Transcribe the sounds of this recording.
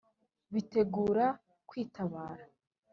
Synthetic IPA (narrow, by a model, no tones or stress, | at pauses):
βite̞ɡuːɾa | kwiːtaβaːɾa